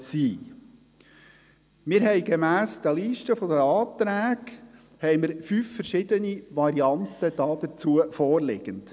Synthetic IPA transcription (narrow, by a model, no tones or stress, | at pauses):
siː | mɪɾɦɛɪɡemæːsd̥̪əliːʃtəfɔdəɑːt̪ɾæːɡ | hɛjməɾfyːfːəɾʃɪd̪əniʋɑɾiɑntəd̥̪ɑːd̥̪əɾt͡suəfɔːɾlɪɡ̥ənt